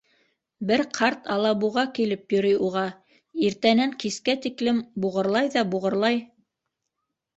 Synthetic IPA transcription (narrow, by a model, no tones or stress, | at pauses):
bɘɾqʰɑɾt̪ʰɑlˠɑβuʁɑkilɘpjɵ̆ɾɘjuʁɑ | iɾt̪ænæŋkiskæt̪iklɘmbuʁɤ̆ɾlˠɑjðɑbuʁɤ̆ɾlˠɑj